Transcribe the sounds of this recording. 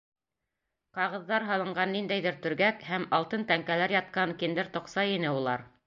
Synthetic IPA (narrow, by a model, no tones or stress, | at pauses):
qɑʁɤ̆ðːɑɾɦɑlˠɤ̆ɴɢɑnːind̪æjðɘɾt̪ɵ̆ɾɡækhæmɑlˠt̪ɤnt̪æŋkælæɾjɑt̪̚qɑŋkind̪ɘɾt̪ŏqsɑinɘulˠɑ̰ɾ